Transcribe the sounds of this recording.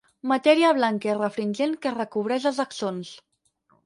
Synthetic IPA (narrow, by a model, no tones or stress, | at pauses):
mət̪ɛɾiəβlaŋkəirəfɾinʲʒenkərəkuβ̞ɾɛʃəlˠzəksons